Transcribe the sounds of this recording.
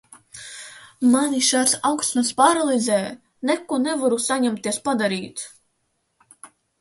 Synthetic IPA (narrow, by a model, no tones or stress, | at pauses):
manʲiʃaːt̪sawksnaspaɾalˠizʲɛː | nɛkːunɛvaɾusaɲʲɛmt̪ːiɛspad̪aɾiːt̪